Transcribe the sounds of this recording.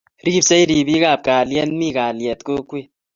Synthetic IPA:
ɾi˦bsɐ˦jɾi˨bi˦ka˦˨b̚kaː˨ljɛ˦nmi˦˨kaː˨ljɛ˨t̪ko˦kwe˦˨

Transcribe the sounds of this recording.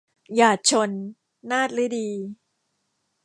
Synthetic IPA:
jaː˨˩t̪̚t͡ɕʰo˧nː | aː˥˩t̪̚ɾɯ˦˥diː˧

